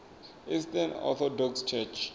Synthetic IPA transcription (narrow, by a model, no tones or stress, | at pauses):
istanɔ̰t̪ʰɔdɔkst͡ʃʰɛt͡ʃʰ